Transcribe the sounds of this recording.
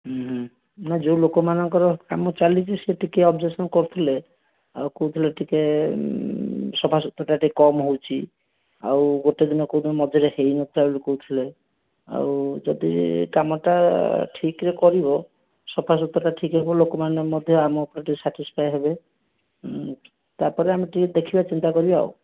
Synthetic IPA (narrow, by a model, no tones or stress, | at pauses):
ɦɦ | nad͡ʒewlokɔmanɔŋkɔɾɔkamɔt͡ʃalid͡ʒiseʈikeɔbd͡ʒesɔnkɔɾt̪ʰile | a̰wkowt̪ʰileʈike | sɔpʰasut̪ɔʈaʈikɔmɦowt͡ʃʰi | a̰wɡoʈed̪inɔkod̪mɔd͡ʒʱɔɾehejnɔt̪ʰilabulikɔut̪ʰile | a̰wd͡ʒɔd̪ḭkamɔʈaʈʰikɾekɔɾibɔ | sɔpʰasut̪ɾɔʈaʈʰikɦebɔlokɔmanemɔd̪ʱjɔamɔːpɔɾaʈisaʈispʰajɦebe | t̪aɾpɔɾeameʈikd̪ekʰibat͡ʃint̪akɔɾiba̰w